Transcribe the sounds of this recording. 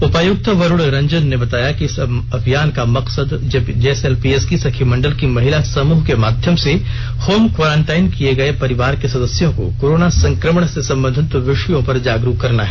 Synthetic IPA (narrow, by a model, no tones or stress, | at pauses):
ʊpəjʊk̚t̪ʋɐɾʊɽɾɐ̃ɲd͡ʒənːebɐt̪aːjakiɪsɐbʱjaːnkamɐqsəd̪d͡ʒeːselpiːeːskisɐkʰimɐ̃ɳɖəlkimɐɦɪlasɐmuːɦkemaːd̪ʱjəmse | hoːmkʋoːɾãːɳʈaːɪnkieɡɐepɐɾɪʋaːɾkesɐd̪əsjõko̰koːɾoːnasɐ̃ŋkɾəməɳ̃sesɐ̃mbə̃nd̪ʱɪt̪ʋɪʃəjõpɐɾd͡ʒaːɡɾuɦkːɐɾnaɦɛː